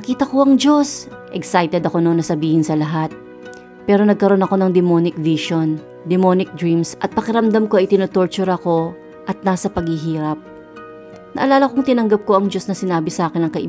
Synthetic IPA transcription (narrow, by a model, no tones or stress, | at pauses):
ɐkiːt̪ɐko̞ʔɐŋd͡ʒo̞s | ʔɛksajt̪ɛd̪ɐko̞nonːɐsɐbiːhɪnsɐlɐɦat̪̚ | pɛːɾo̞nɐɡ̚kɐɾo̞nɐko̞nɐŋd̪ɪmonɪk̚viʃon | d̪ɛmo̞nɪk̚d̪ɹimsʔɐt̪̚pɐkɪɾɐmd̪amko̞ɐjt̪ɪnot̪o̞ɹt͡ʃʊɾɐko̞ | ʔɐt̪̚nasɐpɐɡ̚hɪɦiːɾɐp̚ | nɐ̰ʔɐlaːlɐko̞ŋt̪ɪnɐŋɡɐp̚ko̞ɐŋd͡ʒo̞snɐsɪnaːbɪsɐʔaːkɪnɐŋkɐʔɪ